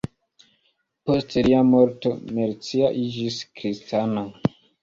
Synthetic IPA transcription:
po̞steliamoɾto̞meɾt͡siaʔid͡ʒiskɾistʰana

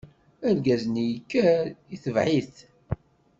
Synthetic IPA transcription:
æɾɡæznijəkːæiθəvʕiθ

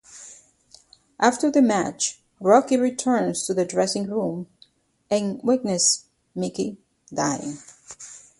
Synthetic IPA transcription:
ʔæftə˞ðɨmæt͡ʃ | ɹɑkiɹitʰɜ̃˞nstʰɨðɨdɹɛsɪ̃ŋɹũm | ʔɨ̃nwɪknɨs | mɪki | daɪɪ̰̃ŋ

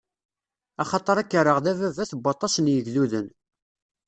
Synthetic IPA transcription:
ɑχɑt̪ˤəɾˤækːəɾəʁðævævæθbːɑt̪ˤːɑsənjəʝluðən

